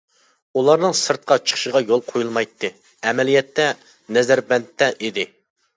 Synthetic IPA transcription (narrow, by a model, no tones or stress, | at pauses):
ulˠɑɾnɨŋsɨɾt̪̚qʰɑt͡ʃʰə̥χʃəʁɑjolˠqʰojulˠmɑjt̪ʰːɨ | ɛmɛlijɛt̪ːɛ | nɛzæɾbɛnt̪ʰːɛʔid̪ɪ